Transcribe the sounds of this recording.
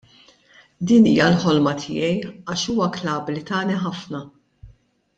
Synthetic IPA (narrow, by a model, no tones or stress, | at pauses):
d̪iːniːjɐlħɔlmɐt̪ʰɪ̰ːjɛjɐːʃuːwɐklɐːblit̪ɐːniħɐfnɐ